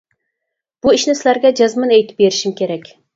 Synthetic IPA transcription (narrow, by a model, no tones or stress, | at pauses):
b̥uiʃnɪsɪlæɾɡʲɛd͡ʒɑzmɑnɛjt̪ʰɪ̥p̚beɾɪʃimkʲʰeɾɛkʲ